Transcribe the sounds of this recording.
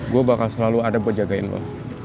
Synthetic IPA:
ɡuabakalsəlaluadabərd͡ʒaɡaɪ̰nlɔ̰

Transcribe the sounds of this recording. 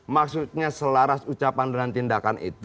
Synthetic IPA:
maksut̪̚ɲasəlaɾasut͡ʃapandəŋant̪indakanʔḭt̪

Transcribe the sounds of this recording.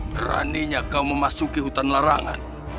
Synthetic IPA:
kɾa̰niɲakauməmasukiɦut̪anlaɾa̰ŋa̰n

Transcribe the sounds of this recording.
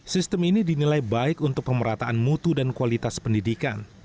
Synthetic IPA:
sist̪əminidinilajbaɪkunt̪ʊk̚pəməɾat̪aʔanmut̪udankualit̪aspəndidika̰n

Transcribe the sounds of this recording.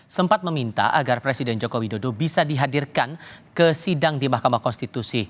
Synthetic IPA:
səmpat̪̚məmint̪a̰ʔa̰ɡarpɾesidɛnd͡ʒokowidodobisadiɦadirkankəsidaŋdimahkamahkɔnst̪it̪usi

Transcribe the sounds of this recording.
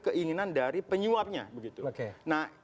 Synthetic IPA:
kəʔiŋinandaɾipəɲuap̚ɲa̰bəɡit̪uokenah

